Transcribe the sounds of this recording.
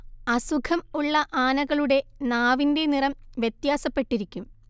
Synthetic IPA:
ɐsukʰɐmuɭːɐʔaːnɐɣɐɭuɽe̞naːʋinde̞nirɐmʋjet̪jaːsɐpːe̞ʈːiɾikʲːum

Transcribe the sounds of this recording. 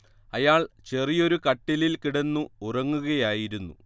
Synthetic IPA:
ɐjaːɭt͡ɕe̞rijo̞ɾukɐʈːililkiɽenːuurɐŋːuɣɐjaːjiɾunːṵ

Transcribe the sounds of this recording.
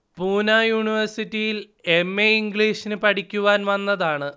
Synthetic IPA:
puːnaːjuːɳiʋɐrsitːijil | emːeiŋɡɭiːʂinɨpɐʈʰikʲːuʋaːnʋɐnːɐðaːɳɨ

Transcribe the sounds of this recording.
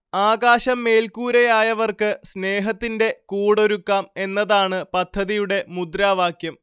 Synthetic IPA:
aːɡaːɕɐmːe̞ːlkuːɾɐjaːjɐʋɐrkɨsne̞ːɦɐt̪ːinde̞kuːɽo̞ɾukːaːme̞nːɐðaːɳɨpɐd̪ʱːɐðijuɽe̞mud̪ɾaːʋaːkjɐm

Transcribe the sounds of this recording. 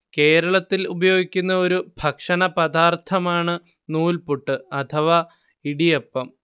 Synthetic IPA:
ke̞ːɾɐɭɐt̪ːilubɐjo̞ːɡikʲːunːɐo̞ɾubʱɐkʂɐnɐpɐd̪aːrt̪ʰɐmaːɳɨ | nuːlpuʈːɨɐt̪ʰɐʋa | iɽijepːɐm

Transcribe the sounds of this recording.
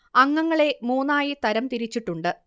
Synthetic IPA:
ɐŋːɐŋːɐɭe̞muːnːaːjit̪ɐɾɐmt̪iɾit͡ɕːiʈːuɳɖɨ

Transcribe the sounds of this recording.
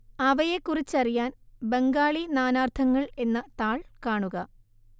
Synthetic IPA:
ɐʋɐje̞kːurit͡ɕːɐrijaːnbe̞ŋɡaːɭinaːnaːrt̪ʰɐŋːɐɭe̞nːɐt̪aːɭkaːɳuɣɐ

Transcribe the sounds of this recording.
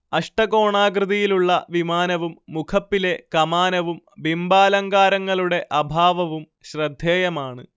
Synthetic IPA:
ɐʂʈɐko̞ːɳaːɡrɨðɐjiluɭːɐʋimaːnɐʋumːukʰɐpːile̞kɐmaːnɐʋum | bimbaːlɐŋɡaːɾɐŋːɐɭuɽe̞ʔɐbʱaːʋɐʋum | ɕrɐd̪ʱːeːjɐmaːɳɨ

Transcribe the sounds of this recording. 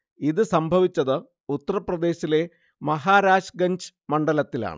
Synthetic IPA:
iðɨsɐmbʱɐʋit͡ɕːɐðɨ | ut̪ːɐrɐprɐd̪e̞ːɕile̞ | mɐɦaːɾaːɕɡɐɲd͡ʑɨ̥ | mɐɳɖɐlɐt̪ːila̰ːɳɨ̰

